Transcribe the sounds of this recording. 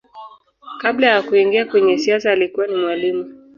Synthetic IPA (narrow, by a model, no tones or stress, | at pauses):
kaɓlajakuiŋɡiakwɛɲɛsiasaːlikuwanimwalimu